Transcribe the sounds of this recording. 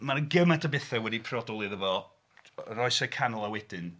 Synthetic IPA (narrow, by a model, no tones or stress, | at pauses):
maɾɡəmatʰabɛθɛwɛdipʰrɔdɔlˠɨðəvɔ | rɔɨsɛkʰanlˠawɛd̥ɪn